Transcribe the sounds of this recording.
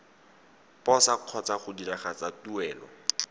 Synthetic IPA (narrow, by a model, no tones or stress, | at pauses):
pɔsaq͡χʰɔt͡saχʊdiraχat͡satuɛːlɔ̰